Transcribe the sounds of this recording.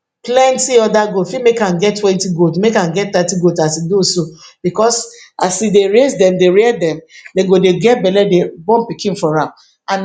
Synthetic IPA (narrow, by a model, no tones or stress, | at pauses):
plɛ̃ntiɔdaɡotfimekãnɡɛttːwɛ̃ntiɡotmekãnɡɛt̚t̪atiɡotasidosob̥ikɔsasideɹesdɛ̃mdeɹedɛ̃mdeɡodeɡɛt̚bɛlɛdebɔ̃mpikĩnfɔɹãm | ãn